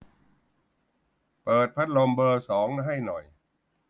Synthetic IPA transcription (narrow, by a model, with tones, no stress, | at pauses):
pɤː˨˩t̪̚pʰa˦˥t̪̚lo˧mbɤː˧sɔː˩˦ŋɦa˥˩jnɔ˨˩j